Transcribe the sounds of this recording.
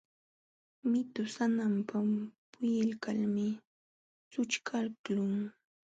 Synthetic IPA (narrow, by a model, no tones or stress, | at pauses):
mɪt̪ʊsanampapʊjɪlkalmɪ | t͡sʊt͡ʃkʰalklʊŋ